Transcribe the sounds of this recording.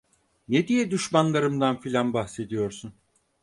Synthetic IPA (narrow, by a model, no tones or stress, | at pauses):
ned̪ijɛd̪uʃmanlˠaɾɯmd̪anfilʲanbaxse̞d̪ijo̞ɾsun